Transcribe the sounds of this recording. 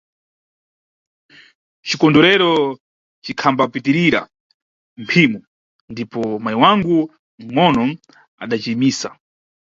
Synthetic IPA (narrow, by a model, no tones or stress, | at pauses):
t͡ʃikɔndɔɾɛɾɔ | t͡ʃikʰambapitiɾiɾa̰ | mpʰimu | ndipɔmajiwaŋɡu | ŋ̩ŋɔnɔ | a̰ɗat͡ʃimiːsa